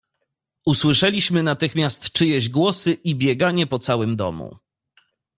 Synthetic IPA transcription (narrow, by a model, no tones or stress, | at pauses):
uswɘʂɛlʲiɕmɘnat̪ɘxmʲjast̪t͡ʂɘjɛʑɡwɔsɘʔibʲjɛɡaɲɛpɔt̪sawɘmd̪ɔ̰mṵ